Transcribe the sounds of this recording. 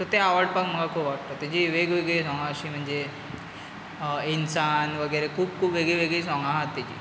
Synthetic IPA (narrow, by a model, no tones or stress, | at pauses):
t̪ət̪eaʋəɽpakm̤əɡakʰuːpʋaʈt̪ət̪ad͡ʑiʋeɡʋeɡɭisɔ̃ŋɡaəɕiːm̤əɳd͡ze | insanʋəɡəjɾekʰuːb̚kʰuːpʋeɡɭeʋeɡɭiːsɔ̃ŋɡãɦat̪ːat͡ɕḭː